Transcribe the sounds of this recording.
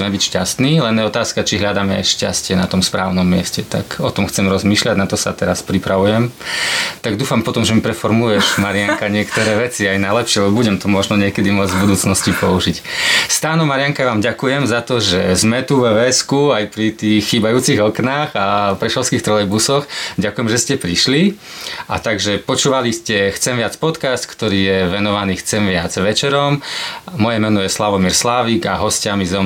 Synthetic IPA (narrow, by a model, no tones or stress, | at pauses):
mɛbicʃca̰st̪niːlɛnjɛɔt̪aːskat͡ʃiɦlʎad̪aːmɛa̰jʃca̰scɪɛna̰t̪ɔmspɾa̰ːʊnɔmːɪɛscɛt̪a̰kɔt̪ɔmxt͡sɛmɾɔzmiːʃʎaɟnat̪ɔsa̰t̪ɛɾaspɾipɾaʋujɛm | t̪aɡd̪uːfampɔt̪ɔmʒɛmipɾɛfɔɾmulʊjɛʒmaɾɪakaɲɪɛkt̪ɔɾɛːʋɛt͡siajnalɛpʃɪɛalɛbuɟɛmt̪ɔmɔʒnɔɲɪɛkɛd̪imʊɔd͡zvbud̪uːt͡snɔscipɔuʒicst̪aːnɔmaɾɪjaŋkaʋaːmɟakujɛmzat̪ɔʒɛzmɛt̪uʋʋɛskuajpɾit̪iːxxiːbajuːt͡siɣɔknaːɣapɾɛʃɔʊskiːxt̪ɾɔjbusɔxɟakujɛmʒɛscɛpɾiʃli | a̰t̪aɡʒɛpɔt͡ʃuːʋaliscɛxt͡sɛmʋɪat͡spɔt̪kast̪kt̪ɔɾiːjɛʋɛnɔʋaniːxt͡sɛmʋɪad͡zʋɛt͡ʃɛɾɔmmɔjɛmɛnɔjɛslaʋɔmiːɾslaːʋiːɡaɦɔscamizɔm